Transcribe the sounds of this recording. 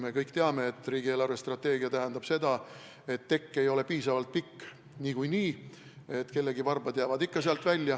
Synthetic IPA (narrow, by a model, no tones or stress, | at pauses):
me̞kɤjkt̪e̞ɑme̞ːt̪ːˑriːɡ̥ielɑrve̞st̪rɑt̪ːe̞ːɡiɑt̪æɦænd̪̥ɑb̥se̞d̪ɑ | e̞t̪ːe̞kːe̞jo̞le̞piːsɑvɑlt̪̚pikː | niːkujniː | e̞t̪ːke̞lːe̞ɡivɑrbɑd̪̥jæːvɑd̪ikːɑseɑlt̪ˑvælʲːjɑ